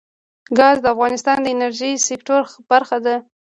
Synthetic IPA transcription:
ɡɑzd̪əafɣɑnɪst̪ɑnd̪əɪnaɾʒisɪkʈoɾb̥aɾxad̪a

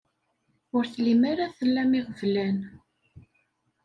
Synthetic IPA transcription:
ʊɾθlimaɾaθəlːæmiʁəvlæn

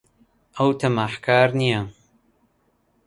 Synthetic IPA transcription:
ɐwt̪ʰɐmaħkʰaːɾnija

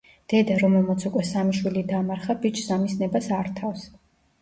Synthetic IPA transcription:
d̪̥ɛd̪aɾɔmɛlˠmat̪sʰukʼwɛsamiʃwilid̪amaɾχabit͡ʃʰzamisnɛbasaɾt̪ʰafs

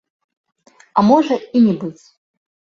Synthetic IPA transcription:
ɐmɔʐɐinʲɛbɨt͡sʲ

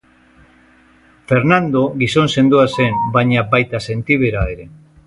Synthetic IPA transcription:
fe̞ɾnand̪o̞ɣiso̞nse̞nd̪uase̞mbajɲabajt̪ase̞nt̪iβ̞e̞ɾae̞ɾe̞

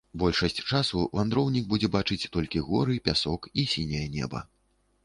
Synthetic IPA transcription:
bɔlʲʂɐsʲt͡sʲt͡ʂasuvand̪ɾɔwnʲiɡ̚bud͡zʲɛbat͡ʂɨt͡sʲt̪ɔlʲkʲiɣɔɾɨpʲasɔkisʲinʲɐjɐnʲɛ̰bɐ̰

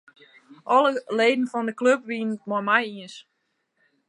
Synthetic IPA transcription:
ʔɔləleːdn̩fɔndəkløp̚ʋiənət̚mɔmɛjiəns

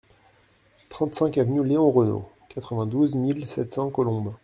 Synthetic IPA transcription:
t̪χɑ̃t̪sɛ̃kavnyleɔ̃ʁəno̰kat̪χəvɛ̃d̪uzmilsɛt̪sɑ̃kɔlɔ̃b

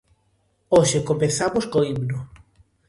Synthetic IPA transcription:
oʃekompeθamoskoiβno

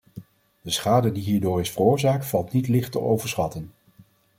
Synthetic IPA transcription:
d̥əsχaːdədiɦiːɹdʊːrɪsfərʊːɹzaːk̚tfɑlˠtnitlɪχtə̰ʔowvəɹsχɑtən

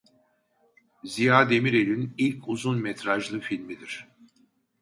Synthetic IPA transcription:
zijaːd̪e̞miɾe̞lʲinilʲcʰuzunmɛt̪ʰɾaʒlˠɯfilʲmid̪iɾ̥

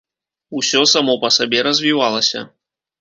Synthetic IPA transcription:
usʲɔsamɔpɐsabʲɛɾɐzʲvʲivalˠɐsʲɐ̰

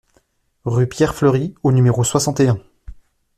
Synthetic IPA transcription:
ʁypjɛʁfløʁionymeʁoswasɑ̃t̪eɛ̃

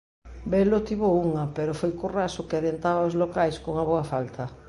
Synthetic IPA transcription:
belot̪iβouŋapeɾofojkurasʊkeaðent̪aβaozlokajskoŋaβoafalt̪ʰɐ

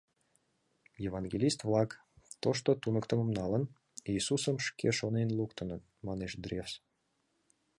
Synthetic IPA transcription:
jevɑnɡʲelʲist̪vlˠɑk | t̪oʃ̬t̪ot̪unəkt̪əməmnɑlən | iːsusəmʃkeʃonenlukt̪ənə | mɑneʃd̪rʲefs

